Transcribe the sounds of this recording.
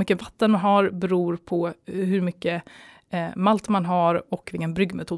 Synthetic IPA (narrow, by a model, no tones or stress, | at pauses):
mʏkːəvat̪ːənmanɦaɾbɛɾuːɾpʰɔɦɵɾmʏkːə | malt̪manɦaɾɔkːvɪːənbɾʏɡmɛt̪ʰuː